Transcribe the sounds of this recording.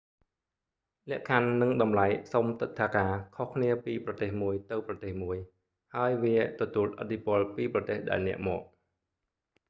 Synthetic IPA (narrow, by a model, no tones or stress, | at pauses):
lɛ̆əʔkʰanːɨŋɗɑmlajsomt̪ɨt̪ʰːaːkaːkʰohkʰniəpiːprɑt̪eːhmuəjt̪ɨwprɑt̪eːhmuəj | haəjʋiət̪ɔt̪uəlʔə̰t̪ʰːipʊ̆əlpiːprɑt̪eːhɗaɛlnɛ̆əʔmɔːk̚